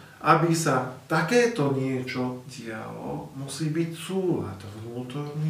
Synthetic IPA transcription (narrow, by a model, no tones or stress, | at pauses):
ʔabisat̪akɛːt̪ɔɲɪɛt͡ʃɔɟia̰lɔ̰musiːbicsuːla̰t̪ɔɦnuːt̪ɔɾniː